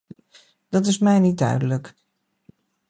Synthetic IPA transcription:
d̥ɑt̬ɪsmɛjnit̚dœ̰ɥdələk

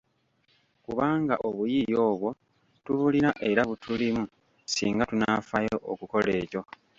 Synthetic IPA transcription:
kuβaːŋɡaʔo̞βujijo̞ːβwo̞ | tuβulinaʔe̞ɾaβutʰulimu | sḭːŋɡatunafajo̞ʔokuko̞le̞ːco̞

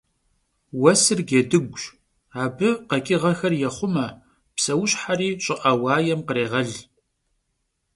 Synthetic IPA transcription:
wɐsɨrɡedɨɡʷɕ | aːbɨqɐkʼɪʁɐxɐrjɛχʷʊmɐ | psɐwɕħariːɕʼɪʔɐwɑːjɛmqəɾeːʁɐɮ

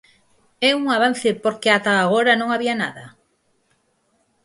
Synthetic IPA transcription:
ɛuŋaβ̞an̟θepoɾkeat̪aːɣoɾanõŋaβianaðɐ

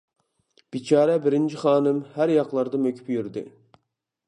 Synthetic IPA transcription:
b̥it͡ʃʰɑːɾɛbɪɾɪnt͡ʃʰiχɑːnɨmhæɾjɑqlˠɑɾd̪ɑmøkʲʰy̥pjyɾd̪ɪ̰

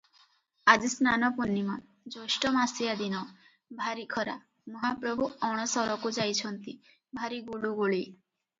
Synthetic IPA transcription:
ad͡ʒisnanɔpunːimɔ | d͡ʒoʃʈɔmasijad̪inɔ | bʱaɾikʰɔɾa̰ | mɔɦapɾɔbʱuɔɽ̃ɔsɔɾɔkud͡ʒajt͡ɕʰɔnt̪i | bʱaɾiɡuɭuɡuɭi

